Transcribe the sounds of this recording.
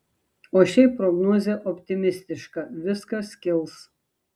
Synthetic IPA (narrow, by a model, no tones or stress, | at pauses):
oːʃʲɛɪpɾɔɡnoɔzʲeʔɔpʲt̪ʲɪmʲɪsʲt̪ʲɪʃkɐˑʋʲɪskɐsʲkʲɪlˠs